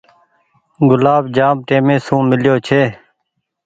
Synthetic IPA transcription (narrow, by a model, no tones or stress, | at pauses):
ɡʊlaːbd͡ʒaːmʈeːmẽːsũːmɪljoːt͡ʃʰeː